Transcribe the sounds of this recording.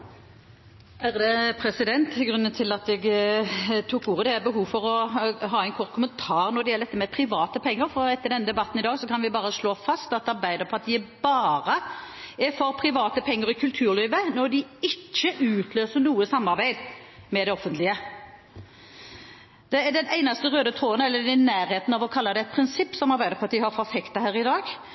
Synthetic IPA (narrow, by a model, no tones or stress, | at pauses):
æʁd̪ɛpʰɾɛsɪd̪ɛnt̪ʰɪlɡʁʉnːənt̪ʰɪlɑt̪ɛɡ | t̪ʰuːkːuːʁəd̪ɛbəɦuːʋfɔɾɔɦɑːæɪnkʰɔʁt̪kʰʊmənt̪ʰɑːʁnɔd̪ɛjɛləd̪ɛt̪ːəmɛpʰʁɪʋɑːt̪əpʰɛŋːəɾfɔɾɛt̪ːəɖ̪ɛnːəd̪ɛbɑt̪ːnɪd̪ɑːɡsɔkʰɑnʋɪbɑːʁəsɭoːfɑst̪ɑt̪̚ɑɾbæɪd̪əʁpʰɑt̪ibɑːʁə | ɛfɔɾpʰɾɪʋɑːt̪əpʰɛŋːəɾɪkʰʉlt̪ʰʉːɾliːʋənɔd̪ɪɪt͡ʃːəʔʉːt̪ʰløːsəɾnuːəsɑmːɑɾbæɪd̪mɛd̪ɛɔfənt̪ʰlɪə | d̪̥ɛd̪ɛnæɪnɑst̪əʁøːd̪ət̪ʰoːnəɛlːəd̪ænːæːɾheːt̪n̩ɑʋɔkʰɑlːɑd̪ɛɛt̪̚pʰɾɪnsɪpːsɔmɑɾbæɪd̪əɾpʰɔɑt̪̚d̪ɪhɑɾfɔfɛkt̪ɑhæːɾɪd̪ɑːɡ